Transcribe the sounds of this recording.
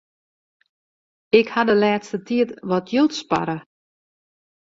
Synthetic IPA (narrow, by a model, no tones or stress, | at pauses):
ɪkhadəlɛːtstətiətʋɔtʰjolˠtspa̰ɾə